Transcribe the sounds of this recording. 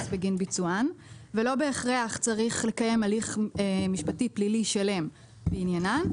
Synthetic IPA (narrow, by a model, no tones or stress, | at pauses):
sbeɡinbit͡suanvelo̞beːχʁeaχt͡saʁiχle̞kaje̞maliχemiʃpatipliliʃale̞m | beinjanan